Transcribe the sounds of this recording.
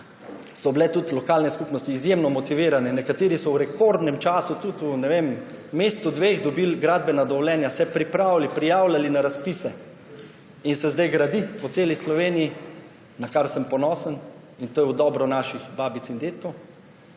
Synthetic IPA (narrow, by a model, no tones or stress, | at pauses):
sɔbilɛt̪ut̪lɔkaːlnɛskupnɔst̪iːzjemnɔmɔt̪iʋiːɾanɛnɛkat̪eːɾisɔwɾɛkoɾd̪nɛmt͡ʃaːsut̪ut̪unɛʋemː | est̪sud̪ʋexd̪ɔbilɡɾaːd̪̚bɛnad̪ɔʋlɛːnjasɛpɾipɾaːwlipɾijaːwlʲalinaɾaspisɛ | insɛzd̪ajɡɾad̪ipɔt̪seːlislɔʋeːniji | nakaɾsəmpɔnɔːsən | int̪oːjɛwd̪ɔbɾɔnaʃixbaːbit̪sind̪et̪k̪o